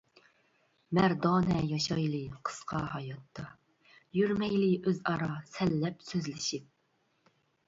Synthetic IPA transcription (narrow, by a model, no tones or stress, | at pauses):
mæɾd̪ɑnɛjɑʃɑjlˠɨqʰə̥sqʰɑ̰ɦɑjɑt̪ʰːɑ | jyɾmɛjliʔøzɑɾɑsɛlːɛpsøzlɪʃip̚